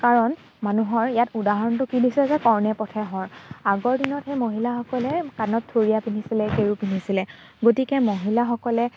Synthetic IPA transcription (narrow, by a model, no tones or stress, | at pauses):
kaɹɔn | manuɦɔɹijatudaɦɔɹɔntʊkidisizɛkɔɹnɛpɔtʰɛɦɔɹaɡɔɹdinɔtxejmoɦilaxɔkɔlɛkanɔtʰːoɹijapinisilɛkeɹupinisilɛ | ɡotikɛmoɦilaxɔkɔlɛ